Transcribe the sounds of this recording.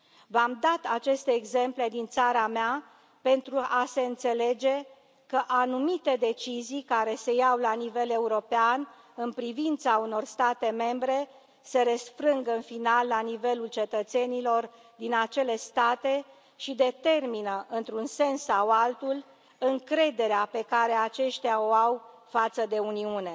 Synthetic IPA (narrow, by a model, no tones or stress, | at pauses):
vamd̪at̪at͡ʃe̞st̪e̞ːɡze̞mple̞d̪int̪saɾamea | pe̞nt̪ɾuʔase̞ɨnt̪se̞le̞d͡ʒe̞ | kəʔanumit̪e̞d̪e̞t͡ʃizijkaɾe̞sejawlanive̞le̞uɾo̞pean | ɨnpɾivint̪sauno̞rst̪at̪e̞me̞mbɾe̞ | se̞ɾesfɾɨŋɡəɨnfinalːanive̞lult͡ʃe̞t̪ət̪se̞nilo̞r | d̪inat͡ʃe̞le̞st̪at̪e̞ | ʃid̪e̞t̪e̞rminəʔɨnt̪ɾunse̞nsːawalt̪ul | ɨŋkɾe̞d̪e̞ɾeape̞kaɾe̞at͡ʃe̞ʃt̪eao̞aw | fat̪səd̪e̞uniune